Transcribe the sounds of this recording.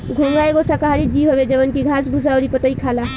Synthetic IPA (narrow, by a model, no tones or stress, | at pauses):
ɡʱoŋɡaeɡosakaɦaɾid͡ʒiɦobed͡ʒəbənkiɡʱasbʱusawɾipət̪əikʰala